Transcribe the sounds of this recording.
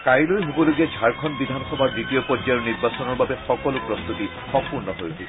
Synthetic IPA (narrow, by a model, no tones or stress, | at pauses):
kajlojɦobɔloɡiad͡ʒʱaɹkʰɔnbid̪ʱanxɔbʱadɹitiopɔd͡ʒaʊniɹbasɔnɔɹbabɛxɔkɔlʊpɹɔst̪uti | xɔpuɹnɔɦojtʰi